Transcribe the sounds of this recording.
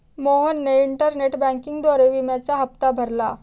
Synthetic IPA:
moɦənːeiɳʈəɾneʈbæ̃ŋkiŋɡd̪oɾeʋimjat͡ɕaɦəp̚t̪abʱəɾla̰

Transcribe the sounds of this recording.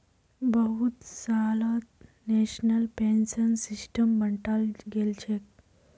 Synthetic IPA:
bəɦut̪salat̪ | neɕnəlpensənsisʈəmːəɳʈalɡʱelt͡ɕʰek̚

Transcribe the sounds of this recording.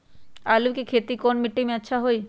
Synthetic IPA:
alukekʰet̪ikonmiʈːimɛt̪ːɕʰaɦoj

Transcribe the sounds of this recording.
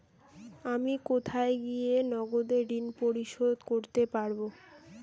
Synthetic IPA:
amikot̪ʰaeɡijenɔɡod̪eɖinpoɾiʃod̪koɾt̪epaɾbo

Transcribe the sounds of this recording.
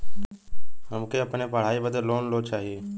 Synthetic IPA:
ɦəmkʰeəpneːpəɽ̤aːiːbəd̪əɾloːnloːt͡ʃaːɦie

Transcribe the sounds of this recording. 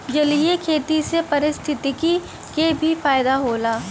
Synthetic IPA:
d͡ʒɐliekʰeːt̪isepɐɾɪst̪ʰɪt̪iki | kebʱifaːɪd̪aɦoːlaː

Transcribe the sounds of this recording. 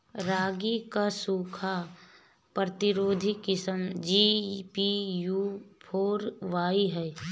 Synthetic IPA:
ɾaːɡikasuːkʰa | pɾət̪ɪɾoːd̪ʱikɪsəmd͡ʒipijuːpʰoːɾʋaːiɦɛː

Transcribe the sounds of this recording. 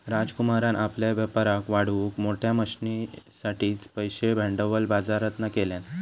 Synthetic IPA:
ɾad͡zkumaɾanʔapljaʋəpəɾakʋaɽ̤ʋukmoʈʰjaməɕnisaʈiːt͡spəjɕebʱɛ̃ɳɖəʋəlbad͡zaɾət̪nakeljan

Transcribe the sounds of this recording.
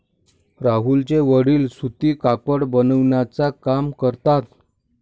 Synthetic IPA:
ɾaɦult͡ɕeʋəɽiːlsut̪iːkakəɽbənəʋɳjat͡sakamkəɾt̪at̪

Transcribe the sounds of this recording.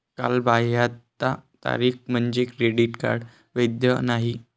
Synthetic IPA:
ka̰lbaɦjat̪ːat̪a̰ɾiːx̚m̤əɳd͡ʑekɾeɽiʈka̰ɾɖ | ʋəjd̪jənaɦi

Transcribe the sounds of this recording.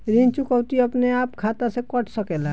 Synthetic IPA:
ɾint͡ʃukəʊt̪iəpneaːpkʰat̪asekəʈʰsəkɛla

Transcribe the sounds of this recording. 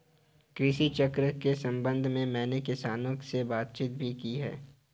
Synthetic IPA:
kɾɪʃit͡ʃəkɾəkesɐ̃mbə̃nd̪ʱmẽmɛ̃ːnekɪsaːnõsebaːt̪̚t͡ʃiːt̪̚bʱikiɦɛ̰ː

